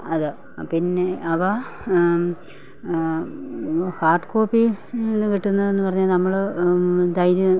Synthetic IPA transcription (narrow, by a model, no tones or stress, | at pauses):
ɐðɨ | pinːe̞ɐʋɐ | haːrɖkoːpːinːɨkiʈːunːɐðe̞nːɨpɐrɐɲːalnɐmːɐɭɨd̪ɐjɾu